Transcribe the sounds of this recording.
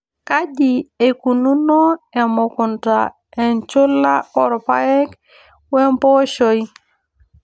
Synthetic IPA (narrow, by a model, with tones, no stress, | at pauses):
ka˦di˨e˨ku˨nu˦no˦ɛ˨mʊ˨kʊ˨nta̰˨ | ɛ˨nt͡ʃʊ˦la˦ɔ˦ɾpa̰˦ɛ˦k | wɛ˦mpɔ˦ʃo˦i˦